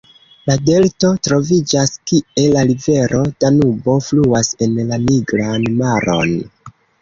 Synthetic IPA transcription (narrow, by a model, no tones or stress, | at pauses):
lade̞lto̞tɾo̞vid͡ʒaskie̞lːaɾive̞ɾʔo̞d̥anubo̞fluase̞nlaniɡɾanmaɾʔo̞̰n